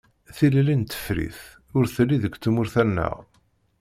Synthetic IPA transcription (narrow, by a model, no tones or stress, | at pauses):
θillint̪ə̥fɾḭθ | ʊɾθəlːiðəkʷːt͡s̪ːumʊɾθænːæ̰ʁ